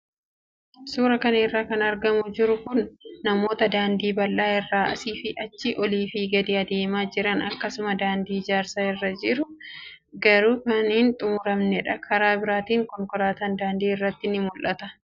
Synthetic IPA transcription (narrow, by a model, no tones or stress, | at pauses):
suːɾɐkɐnɐɪrːaːkɐnɐɾɡɐmʊd͡ʒɪɾʊkʊnːɐmo̞ːt̪ɐd̪aːnd̪iːbɐlːaːɪrːaːʔɐ̰siːfɪʔɐt͡ʃːɪʔɔliːfɪɡɐd̪iːɐd̪eːmaːd͡ʒɪɾɐnɐkːɐsʊmɐd̪aːnd̪iːd͡ʒaːɾsaːɪrːɐd͡ʒɪɾʊ | ɡɐɾuːkɐnːnt̪ʼʊmʊɾɐmnɛᶑɐkʰɐɾaːbɪɾaːt̪iːŋkɔŋkɔɾaːt̪ɐnd̪aːnd̪iːɪrːɐt̪ːɪnɪmʊlʔɐt̪ɐ